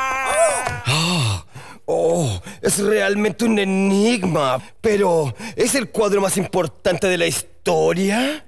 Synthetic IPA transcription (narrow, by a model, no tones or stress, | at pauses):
o | oesrealmẽ̞nt̪eune̞niɣmape̞ɾo̞ese̞lkwaðɾomasimpo̞ɾt̪ant̪eðelaist̪oɾja